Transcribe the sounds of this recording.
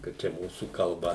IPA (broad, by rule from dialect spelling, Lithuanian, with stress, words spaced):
kɐ ˈt͡ʃʲɛ ˈmuːsuː kɐlˠˈbɐ